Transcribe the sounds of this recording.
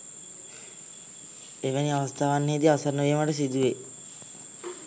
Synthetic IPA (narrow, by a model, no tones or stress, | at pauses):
eʋeniaʋast̪ʰaːʋanːeːd̪iasanːəʋmaʈəs̬id̪uʋe